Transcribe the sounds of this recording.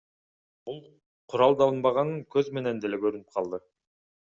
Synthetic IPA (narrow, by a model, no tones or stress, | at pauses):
b̥ʊlˠ | qʰʊɾɑlˠd̪ɑlˠənbɑʁɑnəŋkʲʰɵzme̞nend̪elekʲʰɵɾɪnɪp̚qʰɑlˠd̪ə